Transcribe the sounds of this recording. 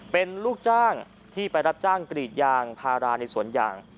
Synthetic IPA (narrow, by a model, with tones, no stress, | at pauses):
pe˧nluː˥˩k̚t͡ɕaː˥˩ŋ | t̪ʰiː˥˩pa˧jɾa˦˥p̚t͡ɕaː˥˩ŋkɾiː˨˩t̪̚jaː˧ŋpʰaː˧ɾaː˧na˧jsu˩˦ənja̰ː˨˩ŋ